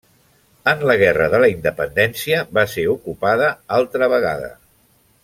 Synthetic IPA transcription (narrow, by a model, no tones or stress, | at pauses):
ənləɣ̞ɛrəðələind̪əpənd̪ɛnsiəβaseukupaðəalˠt̪ɾəβəɣa̰ðə̰